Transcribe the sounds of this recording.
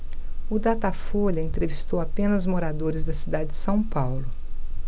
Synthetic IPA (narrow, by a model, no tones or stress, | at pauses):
ʊd̪at̪afoʎɐẽnt̪ɾevist̪owapẽnɐzmoɾad̪oɾɪzd̪ɐsid̪ad͡ʒɪd͡ʒɪsɐ̃w̃pawlʊ